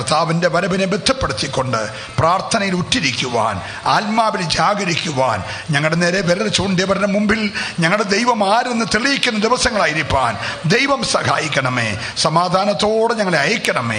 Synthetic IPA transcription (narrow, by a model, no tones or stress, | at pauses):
rt̪aːʋinde̞ʋɐɾɐbinebed̪ʱːɐpːeɽut̪ːikʲːo̞ɳɖɨ | praːrt̪ʰɐnɐjilutːiɾikʲːuʋa̰ːn | aːlmaːbild͡ʑaːɡɐɾikʲːuʋa̰ːn | ɲɐŋːɐɭɽeneːɾe̞ʋeɾɐlɐt͡ɕːuɳɖijɐʋɐɾɐnɐmumbilɲɐŋːɐɭɽed̪ejʋɐmaːɾenːɨt̪eɭijikʲːunːɐd̪iʋɐsɐŋːɐɭaːjiɾipːa̰ːnd̪ejʋɐmsɐha̰ːjikʲːɐɳɐmḛː | sɐmaːd̪ʱaːnɐt̪ːo̞ːɽɨɲɐŋːɐɭeɐjɐkʲːɐɳɐmḛː